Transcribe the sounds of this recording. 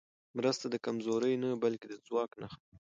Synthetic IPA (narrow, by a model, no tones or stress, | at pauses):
mɾəst̪ad̪əkamzoɾəjnabalked̪əzwɑknaxa